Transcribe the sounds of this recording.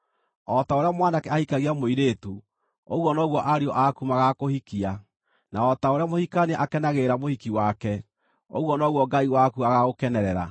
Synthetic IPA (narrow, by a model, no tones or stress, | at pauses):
ɔtaoɾeamwandakɛahikaɣiamoiɾetu | oɣwɔnɔɣwɔʔaɾeɔʔakumaɣakohikia | naɔtaoɾeamohikanɛʔakɛnaɣeɾamohikiwakɛ | o̰ɣwɔnɔɣwɔɡaiwakuaɣaɣokɛnɛɾɛɾa̰